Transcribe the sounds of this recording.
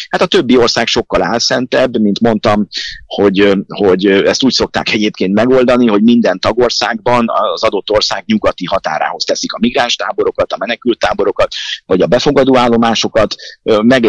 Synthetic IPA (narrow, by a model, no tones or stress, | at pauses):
hat̪ɒt̪ø̞bːiorsaːkʃo̞kːɒlaːlsɛnt̪ɛbːmint̪mo̞nt̪ɒmho̞ɟho̞ɟɛst̪uːcso̞k̚t̪a̰ːkɛɟeːpkeːnt̪mɛɡo̞ld̪ɒniɦo̞ɟmind̪ɛnt̪ɒɡo̞rsaːɡbɒnɒ̰zɒd̪o̞t̪ːo̞rsaːɡɲuɡɒt̪iɦɒt̪a̰ːɾa̰ːɦo̞st̪ɛsikɒmiɡraːnʃt̪aːbo̞ɾo̞kɒt̪ɒmɛnɛkylt̪ːaːbo̞ɾo̞kɒt̪vɒɟɒbɛfo̞ɡɒd̪oːaːlːo̞maːʃo̞kɒt̪ːmɛɡ